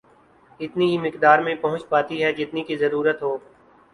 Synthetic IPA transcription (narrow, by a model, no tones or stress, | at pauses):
ɪt̪niɦimɪkd̪aːɾmẽpɐɦʊ̃t͡ʃpaːt̪iɦɛd͡ʒɪt̪nikizɐɾuːɾət̪ɦoː